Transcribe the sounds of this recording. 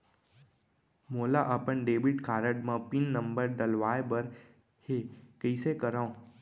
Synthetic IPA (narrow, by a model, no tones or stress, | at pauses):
molaʔəpəɳɖebiʈkʰaːɾəɖmãpinːəmbəɾɖəlʋaebəɾ | hekəisekəɾaõ